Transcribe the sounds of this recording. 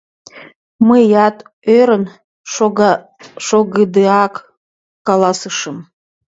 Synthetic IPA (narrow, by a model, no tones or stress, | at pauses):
mɨjat̪ʼ | øɾən | ʂoɡɨd̪ɨak | kalasɨʂɨm